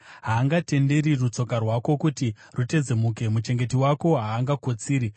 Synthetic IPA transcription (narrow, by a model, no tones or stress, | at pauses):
ɦaːŋɡate̞nde̞ɾirut͡so̞karwako̞kuti | rute̞d͡zemuke̞mut͡ʃe̞ŋɡe̞tiwako̞ɦaːŋɡakot͡siːɾi